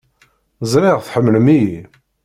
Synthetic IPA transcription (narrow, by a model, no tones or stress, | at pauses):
zˤɾɪʁθħəmːləmiji